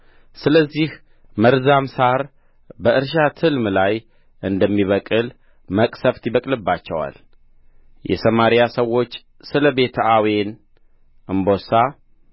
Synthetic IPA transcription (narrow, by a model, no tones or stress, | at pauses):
sɨləzːih | məɾzamsaɾ | bəʔɨɾʃ̬at̪ʰɨlmlaj | ʔɨnd̪əmːiβəkʼɨl | məkʼsəft̪jiβəkʼlɨbːat͡ʃːɛwa̰l | jɛ̰səmaɾijasəwːo̞t͡ʃː | sɨləbe̞t̪ʰəawen | ʔɨmbo̞sa